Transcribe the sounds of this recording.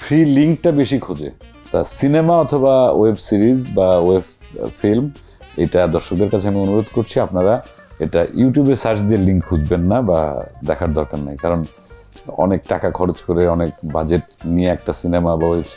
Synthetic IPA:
fʰɾiliŋk̚ʈabeʃikʰud͡ʑḛ | t̪asinemaɔt̪ʰobawebsiɾizbaoeb | film | ḛjʈad̪ɔɾʃok̚d̪eɾkat͡ɕʰeamionuɾod̪koɾt͡ɕʰiapnaɾa | ḛʈajuʈjubesaɾt͡ɕd̪ieliŋkːʰud͡ʑbenːaba̰d̪ɛkʰaɾd̪ɔɾkaɾnajkaɾon | ɔ̰nek̚ʈakakʰɔɾet͡ɕkoɾeɔnek̚bad͡ʑeʈnieɛk̚ʈasinemabaoeb

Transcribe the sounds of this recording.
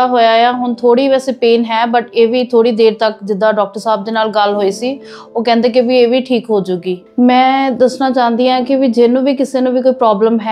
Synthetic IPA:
aɦoːaːjaːɦʊɳt̪ʰoːɽiːʋɛːseːpeːnɦɛːbəʈeːʋiːt̪ʰoːɽiːd̪eːɾt̪əkd͡ʒɪd̪ːãːɖɔːk̚ʈəɾsaːb̚d̪eːnaːlɡəlɦoːiːsiː | oːkɛ̃ːnd̪eːk̬ɪʋiːeːʋiːʈʰiːkɦoːd͡ʒʊɡiː | mɛ̃ːd̪əsnaːt͡ʃaːnd̪iːãːkɪʋid͡ʒeːnũːʋiːkɪseːnũːʋiːkoːiːpɾaːbləmɦɛ

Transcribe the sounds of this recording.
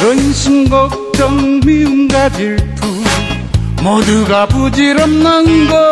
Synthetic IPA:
ɾʌnɕʰimɡʌk̚ | tʌŋmiuŋɡad͡ʑiɭtʰu | mʌd̪uɡabud͡ʑiɾʌmnaŋɡʌ

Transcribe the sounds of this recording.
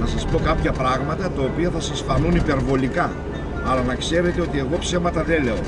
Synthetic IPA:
nɐsɐspo̞kɐpçɐpɾɐɣmɐt̪ɐt̪ɐopiɐθɐsɐsfɐnunipe̞ɾvo̞likɐ | ɐlɐnɐkse̞ɾe̞t̪e̞o̞t̪ie̞ɣo̞psemɐt̪ɐðele̞o̞

